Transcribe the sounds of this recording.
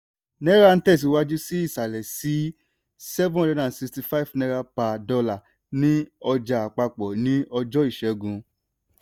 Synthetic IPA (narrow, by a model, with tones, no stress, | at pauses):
nɛ̃˦ɾa˦˧ñ̩˦tɛ˦˨s̬i˨˦wa˦d͡ʒu˦si˦i˦˨sa˨lɛ˨si˨˦ | sɛ˦vũ˦ɔ˦dɛ˦ã˨si˧ksti˧fa˦˨vnɛ̃˧˦ɾa˧pa˨dɔ˧la˦˨ | nĩ˨˦ɔ˧d͡ʒa˨a˨k͡pa˧k͡pɔ˨nĩ˦ɔ˧d͡ʒɔ˦i˦˨ʃɛ˨˦ɡũ˨˧